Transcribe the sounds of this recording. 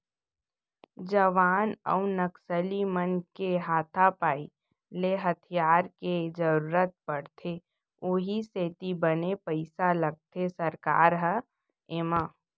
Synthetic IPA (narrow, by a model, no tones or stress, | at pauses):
d͡ʒəʋaːnə̰unəksəlimənkeɦaːt̪ʰapaːi | leɦɐt̪ʰijaːɾked͡ʒəɾuːɾət̪̚pəɽt̪ʰe | oːɦiseːt̪ibənepəɪsalɐɡ̚t̪ʰesəɾka̰ːɾɦə | ɪmaː